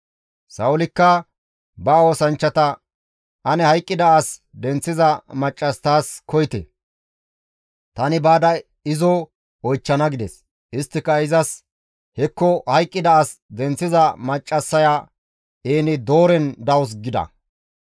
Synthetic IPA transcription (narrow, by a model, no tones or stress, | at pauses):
sɐwʊlɪkːɐ | bɐo̞ːsɐnt͡ʃːɐt̪ɐ | ʔɐnɛhɐjkʼːɪd̪ɐas | d̪ɛnt͡sːɪzɐmɐt͡ʃʼːɐst̪aːskʰɔjɪt̪ḛ | t̪ɐnɪbaːd̪ɐ | ɪzɔ | ɔjt͡ʃːɐnɐɡɪd̪ɛs | ɪst̪ːɪkːɐɪzɐs | hɛkːɔhɐjkʼːɪd̪ɐasd̪ɛnt͡sːɪzɐmɐt͡ʃʼːɐsːɐja | ʔeːnɪd̪o̞ːɾɛnd̪ɐwʊs̬ɡɪd̪ɐ̰